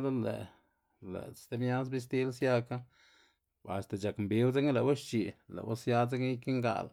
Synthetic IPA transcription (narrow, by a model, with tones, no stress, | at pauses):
d̪a˦lḛ˨ | lḛ̥˨t̪e˦bɲa˦sbi˦s̬t̪i˦lsja˦ka˦ | a̰˨st̪a˨t͡ʃa˨kmbi˨˦wt͡se˦ɡle˨wa˦ʃt͡ʃi˨lḛ˨wa̰˦sja˦t͡se˦ɡi˦ke˦ŋɡa̰˧l